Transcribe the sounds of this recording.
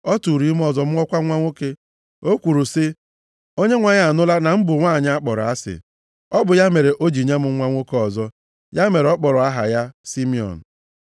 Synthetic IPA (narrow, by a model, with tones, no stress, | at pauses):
ɔ˦tu˨ɾi˦m˦ɔ˨zɔ˨m̩˦ŋɔ˦kʷa˦ŋʷa˦ŋʷo˦ke˦ | o˦kʷu˨ɾu˨sɪ˦ | o˦ɲe˦ŋʷa˨ɲa˨a˨nʊ˦la˦na˨m̩˦bʊ˨ŋʷa˦˨ɲ˦a˦k͡pɔ˨ɾɔ̰˨a˦sɪ̰˨ | ɔ˦bʊ˨ja˦me˨ɾe˨ʔo˦d͡ʒi˨ɲe˦mʊ˦ŋʷa˦ŋʷo˦kɔ˨zɔ˦ | ja˦me˨ɾe˨ɔ˦k͡pɔ˨ɾɔ˨a˦ɦa̰˨ja˦si˦mi˦ɔ̰˨n̩˨